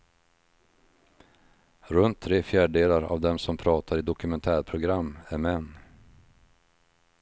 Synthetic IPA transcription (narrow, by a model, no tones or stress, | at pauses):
ɾɵnt̪ʰːɾeːfjæːɖəɖd̪eːlaɾa̰vd̪ɛmsɔmpʰɾɑːt̪ʰaɾɪd̪ɔkɵmɛnt̪ʰæːɾpʰɾʊɡɾamːæɾmɛnː